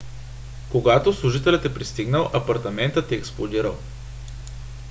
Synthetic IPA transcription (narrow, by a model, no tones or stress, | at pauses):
koɡat̪oslˠʊʒit̪ɛlʲət̪ɛpɾist̪iɡnəlˠʔɐpɐɾt̪ɐmɛnt̪ət̪ɛːksplˠod̪iɾəlˠ